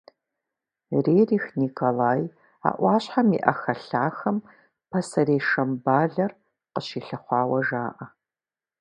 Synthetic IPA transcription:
reːriːxnikʰolaːj | a̰ːʔʷɑːɕħamḭʔɐxɐɬaːxɐm | pʰɐsɐɾeːʂɐmbaːɮɐr | qəɕiːɬɐχʷɑːwɐʒaːʔɐ

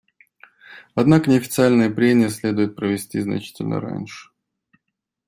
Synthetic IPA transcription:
ɐd̪nakənʲɪɐfʲɪt̪sɨalʲnəjəpɾʲemʲɪjəsʲlʲe̞d̪ʊjɪt̪̚pɾəvʲɪsʲtʲiznɐ̰t͡ɕi̥tʲɪ̰lʲnə̰ɾa̰nʲʂɨ̥

